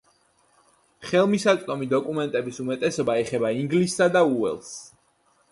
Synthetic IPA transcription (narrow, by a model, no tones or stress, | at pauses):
χɛlˠmisat̪sʼt̪ʼɔmid̪ɔkʼumɛnt̪ʼɛbisumɛt̪ʼɛsɔbaɛχɛbaiŋɡlisːad̪auɛ̰lˠs